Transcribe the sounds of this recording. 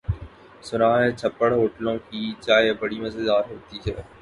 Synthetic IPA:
sʊnaːɦɛt͡ʃʰəpːəɽɦoːʈlõkiːt͡ʃaːjebəɽimẽsed̪aːɾɦoːt̪iːt͡ʃʰɛː

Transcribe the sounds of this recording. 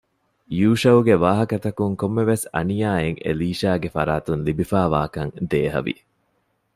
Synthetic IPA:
juːʃɐwɡeʋaːɦɐkɐt̪ɐkuŋkomːeʋesɐ̰nijaːeŋḛliːʃaːɡefɐɾaːt̪unlibifaːʋa̰ːkɐŋd̪eːɦɐ̰ʋḭ

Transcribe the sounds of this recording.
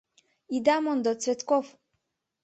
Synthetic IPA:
id̪amɔnd̪ɔt̪svɛt̪kɔf

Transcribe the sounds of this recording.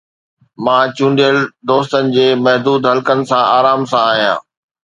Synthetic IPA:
mãːt͡ɕũːɳɖijəld̪oːst̪ənɪ̆d͡ʑeːmɐɦd̪uːd̪ɦɐlkənɪ̆sãaːɾaːmsãaːɦijã̰ː

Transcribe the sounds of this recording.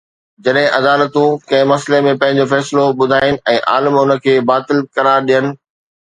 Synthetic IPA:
d͡ʑɐɗɦɪ̃ʔɐd̪aːlət̪ũkɐ̃ɪ̃mɐslemẽpɐ̃ɦɪ̃ɲ̆d͡ʑofɛːsɪloɓʊd̪ʱaːɪnɪ̆ʔɛ̃ːʔa̰ːləmʊnə̆kʰeːbaːt̪ɪlkɐɾaːɾɗijənɪ̆

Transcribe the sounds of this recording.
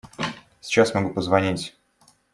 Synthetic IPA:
sʲɪ̥t͡ɕasmɐɡupəzvɐnʲitʲ

